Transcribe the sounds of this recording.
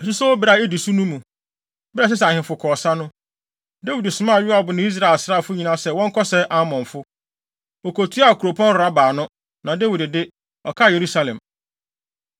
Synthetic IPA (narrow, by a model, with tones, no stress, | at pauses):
si˦sɛ˦wo˦bɪ˨ɾa˨e˦di˨su˦nũ˦mũ˨ | bɪ˦ɾɛ˦˨s̬ɛ˦sɛ˨hɪ̃˨fʊ˨kʰɔː˨sa˦nʊ̃˦ | de˦wi˨dɪ˨sʊ˨mã˦˨ɥɪ˦a˨bʊ˨nʊ̃˦i˦s̬ɾa˨lsɾa˦˨fʊ˦ɲĩ˨nã˦sɛ˨wɔ̃˦ŋ̩˦kʰɔ˦sɛ˦ʔa˦mɔ̃˨ɱfʊ˦ | o˨kʰo˨tʰu˦a˦˨kʰu˨ɾo˨pʰɔ̃˦n˦˨ɾa˦baː˨nʊ̃˦ | nã˨de˦wi˨dɪ˨dɪ˦ | ɔ˨kʰa˦˨je˨ɾu˦sa˨˦lɛ̰̃˨m